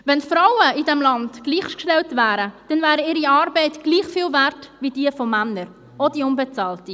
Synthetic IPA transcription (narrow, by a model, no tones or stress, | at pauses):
vɛnfɾawəidɛmlɑndɡ̥liːχʃkʃtɛltvæːɾəd̥ɛnvæːɾəɪːɾiɑːɾbɛɪtɡ̥liːχfiːlvɛɾtvid̥iːəfɔmænəɾ | ɔdiʊnbɛt͡sɑːlti